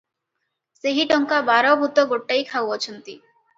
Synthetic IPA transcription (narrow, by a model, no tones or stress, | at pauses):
seɦiʈɔŋkabaɾɔbʱut̪ɔɡoʈːaikʰawɔt͡ʃʰɔnt̪i